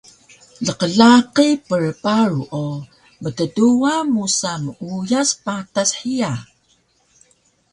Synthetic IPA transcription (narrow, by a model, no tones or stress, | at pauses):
ɮəqəɮaqipərpaɾuʔo | mətəduamusamujaspatasħia